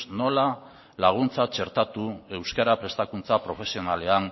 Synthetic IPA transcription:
no̞la | laɣ̞unt͡sat͡ʃe̞ɾt̪at̪ue̞wskaɾapɾe̞st̪akunt͡sapɾo̞fe̞sio̞nale̞an

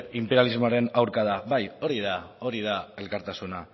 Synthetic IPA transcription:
impeɾjalizmoaɾe̞nawɾkað̞aβajo̞ɾið̞ao̞ɾið̞ae̞lkaɾt̪asuna

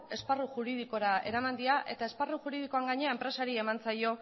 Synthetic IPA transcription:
e̞sparuʝuɾið̞iko̞ɾae̞̰ɾamand̪iaʔe̞t̪ae̞sparuʝuɾiðikoaŋɡaɲe̞aempɾe̞saɾie̞mant͡sajo̞

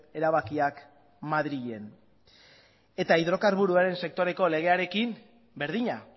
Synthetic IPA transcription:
e̞ɾaβakiak | maðɾiʝe̞n | e̞t̪aiðɾo̞kaɾβuɾuaɾe̞nse̞k̚t̪o̞ɾe̞ko̞le̞ɣ̞e̞aɾe̞kim | be̞ɾðiɲa

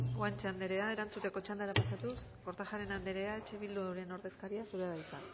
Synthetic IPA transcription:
ɡwant͡ʃeand̪e̞ɾe̞ae̞ɾant͡sut̪e̞ko̞t͡ʃand̪aɾapasat̪usko̞ɾt̪axaɾe̞nand̪e̞ɾe̞ae̞t͡ʃe̞βild̪uewɾe̞no̞ɾðe̞skaɾiasuɾeðait͡sa

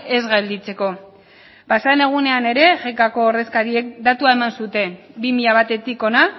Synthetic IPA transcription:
e̞zɣald̪it͡se̞ko̞ | pasaene̞ɣ̞une̞ane̞ɾe̞ʝekako̞ːɾðeskaɾie̞kd̪at̪uae̞mansut̪e̞bimiʎaβ̞at̪e̞t̪iko̞na

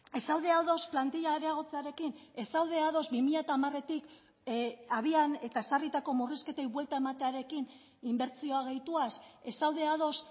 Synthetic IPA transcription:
e̞sawðeaðo̞splant̪iʎaɾeaɣ̞o̞t͡seaɾe̞kine̞sawð̞e̞aðo̞zbimiʎat̪aːmare̞t̪ik | aβ̞iane̞t̪aesarit̪ako̞muriske̞t̪ejβwe̞lt̪ae̞mat̪e̞aɾe̞kin | imbe̞ɾt͡sio̞aɣ̞e̞jt̪uase̞sawðe̞að̞o̞s

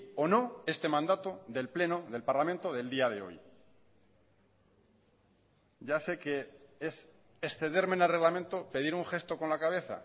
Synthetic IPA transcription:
ono̞e̞st̪e̞mãnd̪at̪o̞ðe̞lple̞noðe̞lpaɾlamẽnt̪o̞ðe̞ld̪iaðe̞o̞̰j | ɟ͡ʝase̞ke̞es | esθe̞ðe̞ɾmenelre̞ɣlamẽnt̪o̞pe̞ðiɾuŋxe̞st̪o̞ko̞nlakaβe̞θa̰

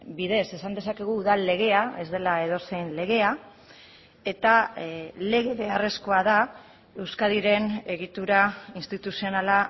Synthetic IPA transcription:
biðe̞se̞sand̪esake̞ɣ̞uːðalːe̞ɣ̞e̞ae̞zd̪e̞lae̞ð̞o̞sejnle̞ɣ̞e̞a | e̞t̪ale̞ɣ̞e̞βe̞are̞sko̞aða | e̞wskaðiɾe̞ne̞ɣit̪uɾainst̪it̪usio̞nala

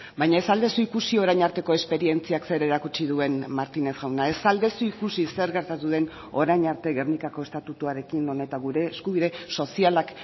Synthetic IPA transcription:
bajɲae̞sald̪e̞suikusio̞ɾajɲaɾt̪e̞ko̞e̞spe̞ɾie̞nt͡siakse̞ɾe̞ɾakut͡ʃiðue̞nmaɾt̪ine̞sɣawnae̞sald̪e̞suikusise̞ɾɣe̞ɾt̪at̪uðe̞n | o̞ɾajɲaɾt̪e̞ɣe̞rnikako̞e̞st̪at̪ut̪uaɾe̞kino̞ne̞t̪aɣuɾe̞ːskuβ̞iðe̞so̞sialak

